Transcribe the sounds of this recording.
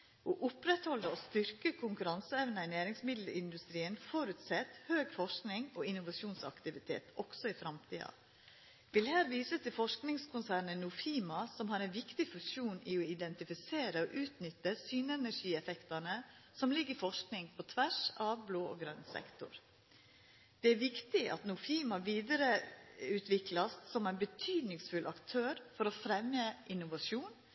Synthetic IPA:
oːʔʊpɾɛt̪hɔlːəost̪ʏɾkəkʰʊŋkʉɾɑnsəɛʋnəɪnæːɾɪŋsmɪd̪ləɪnd̪ʉst̪ɾiːənfɔɾʉt̪sɛt̪høːɡfɔʂknɪŋoːɪnʊʋɑʂuːnsɑ̰kt̪ɪʋɪt̪ʰḛːt̪ɔksɔɪfɾɑmt̪ʰiːɑ̰ | ʋɪlhæːɾʋiːsət̪ʰɪlfɔʂknɪŋskʰʊnsæːɾɳənʊfiːmɑsɔmhɑɾɛnʋɪkt̪ɪfʉsuːnɪɔɪd̪ɛnt̪ɪfɪseːɾəɔʔʉːt̪nʏt̪ːəsyːnɛnæɾʂiːɛfɛkt̪ɑnə | sɔmlɪɡːəɾɪfɔʂknɪŋpʰɔt̪ʰʋæʂɑʋbloːo̰ɡɾœnsɛ̰kt̪ʊ̰ɾ | d̪̥ɛæɾʋɪkt̪ɪʔɑ̰t̪nʊfiːmɑʋiːd̪əɾəʉːt̪ʰʋɪklɑssɔmæɪnbət̪ʰyːd̪nɪŋsfʉlʔɑkt̪ʰøːɾfɔɾɔfɾɛmjəʔɪnːʊʋɑʂuːn

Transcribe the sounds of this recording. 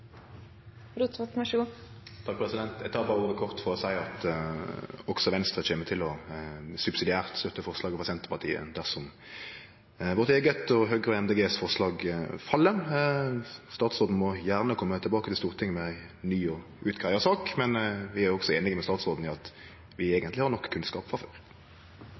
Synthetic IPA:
ɾut̪ʋɑt̪mɑʃt̪ʰɑk̚pʰʁɛsɪd̪ɛnt̪æɪt̪ʰɑːʁbɑːʁuːʁəkʰɔʁt̪fɔʁɔsæɪɑt̪ | ɔksɔʋɛnst̪ʁət͡ʃeːmət̪ʰɪlɔsʉbsɪd̪ɪæːʁt̪st̪œt̪ːəfɔʁslɑːɡəfʰʁɑsɛnt̪əʁpʰɑʁt̪ʰḭːə̰d̪æʁsɔm | ʋɔʁt̪eːɡət̪ɔɦœɡʁəɛmd̪eɛːɡeːsfɔʁslɑːɡfɑlːə | st̪ɑːt̪sʁoːd̪n̩mɔjæːʁnəkʰɔmːət̪ʰɪlbɑːkət̪ʰɪlst̪uːʁt̪ʰɪŋːmɛɪ | nyːɔ | ʔʉːt̪ɡʁæɪɑsɑːkmɛnʋɪæɾjɔɡsɔeːnɪɡəmɛst̪ɑːt̪sʁoːd̪n̩ɪɑt̪ | ʋɪeːɡənt̪lɪhɑʁnɔkːkʰːʉnskɑːpfʁɑføːʁ

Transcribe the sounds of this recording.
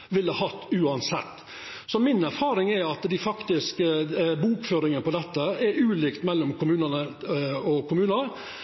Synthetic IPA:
ʋɪlːəhɑt̪ːʉːɑnsɛ̰t̪ː | sɔmɪnæɾfɑːɾɪŋɛɾɑt̪d̪ɪfɑkt̪ɪskəbuːkføːɾɪŋənəpɔd̪ɛt̪ːəɛɾʉːliːkt̪mɛlːɔmkʰʊmʉːnənəɔkʊmʉːnə

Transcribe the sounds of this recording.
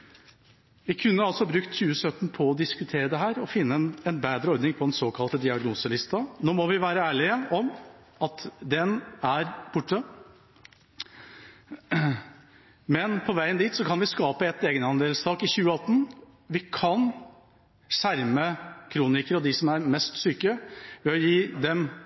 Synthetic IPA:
ʋɪkʰʉnːəɑlsɔhɑbɾʉkt̪çʉːəsœt̪ːn̩pʰɔɔd̪ɪskʉt̪ʰeːɾəd̪ɛɦæːɾɔfɪnːəɛnbæːd̪ɾəɔɾd̪nɪŋpʰɔd̪ɛnsoːkʰɑlt̪əd̪ɪɑɡnuːsəlɪst̪ɑnoːmɔʋɪʋæːɾəæːɭɪəɔm | ɑt̪d̪ɛnæɾb̥ʊʈːə | mɛnpʰɔʋæɪənd̪iːt̪sɔkʰɑnʋɪskɑːpəɛt̪ːeːɡənɑnleːlst̪ʰɑːkɪçʉːəɑt̪ːn̩ | ʋɪkʰɑn | ʂæɾməkʰɾuːnɪkəɾɔd̪ɪsɔmæɾmɛst̪syːkəʋɛɔjiːd̪ɛm

